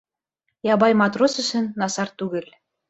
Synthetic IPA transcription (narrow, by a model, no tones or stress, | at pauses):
jɑβɑjmɑt̪rosɘ̆ʃɘ̆nːɑsɑrt̪uɣɘ̆lʲ